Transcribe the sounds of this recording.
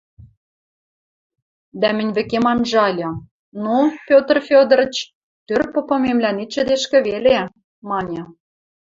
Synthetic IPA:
d̪æmɘ̆nʲβɘ̆kemɑnʒɑlʲɤ̆ | nopʲot̪rfʲod̪ə̆ɾə̆t͡ɕ | t̪ørpŏpɤ̆memlænit͡ɕɘ̆d̪eʃkɘ̆βele | mɑnʲɤ̆

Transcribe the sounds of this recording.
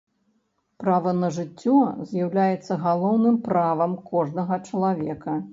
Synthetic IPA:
pɾavɐnɐʐɨt͡sʲːɔzʲjɐwlʲajɛt̪sːɐɣalˠɔwnɨmpɾavɐmkɔʐnɐɣɐt͡ʂɐlˠavʲɛkɐ

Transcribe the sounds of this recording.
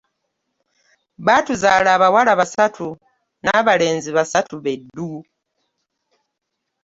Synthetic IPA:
βaːtuzaːlaːβawalaβasatʰu | naːβale̞ːnziβasatuβedːu

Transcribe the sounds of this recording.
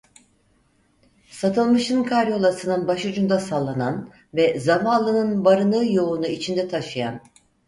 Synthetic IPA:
sat̪ʰɯlˠmɯʃɯnkʰaɾjo̞lˠasɯnɯnbaʃud͡ʒund̪asalˠːanan | vɛzamanlˠɯnɯnbaɾɯnɯːjo̞lˠunuit͡ʃʰind̪ɛt̪ʰaʃɯja̰n

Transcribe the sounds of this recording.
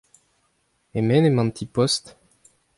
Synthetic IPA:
emɛnemɑ̃mt̪ʰipɔst̪

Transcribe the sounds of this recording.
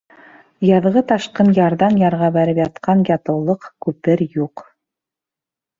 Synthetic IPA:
jɑðʁɤt̪ɑʃqɤnjɑɾðɑnjɑɾʁɑbæɾɘpjɑt̪qɑnjɑt̪ɤ̆wlˠɤqkʉpɘɾjuq

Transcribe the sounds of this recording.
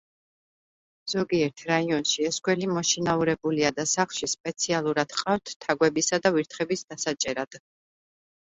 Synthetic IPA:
z̥ɔɡiɛɾt̪ʰɾaiɔnʃiɛsɡwɛlimɔʃinauɾɛbuliad̪asaχlˠʃispʼɛt̪sʰialˠuɾad̪̥qʼaft̪ʰt̪ʰːaɡwɛbisad̪aviɾt̪ʰχɛbisd̪asat͡ʃʼɛɾad̪̥

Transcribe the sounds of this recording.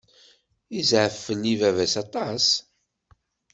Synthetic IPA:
izʕəfːəlivævæsɑt̪ˤɑs

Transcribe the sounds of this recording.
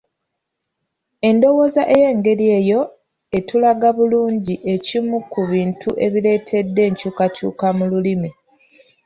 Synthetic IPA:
e̞ndo̞wo̞ːzaʔe̞je̞ːŋɡe̞ɾie̞ːjo̞ | e̞tulaɡaβuluːɲɟiʔe̞cimukuβiːntʰuʔe̞̰βile̞ːtʰe̞dːe̞ːɲcuːkacṵːkamululimi

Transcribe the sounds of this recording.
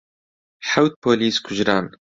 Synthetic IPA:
ħawt̪̚pʰoːliːskʷʰʊʒɾaːn

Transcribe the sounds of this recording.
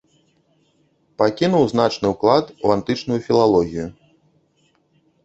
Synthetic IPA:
pakʲinuwzn̪at͡ʂnɨwklˠat̪uant̪ɨt͡ʂnujufʲilˠalˠɔɣʲiju

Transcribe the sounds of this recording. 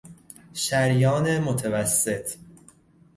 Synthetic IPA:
ʃæɾjɒːnemot̪ʰævæsːe̞t̪ʰ

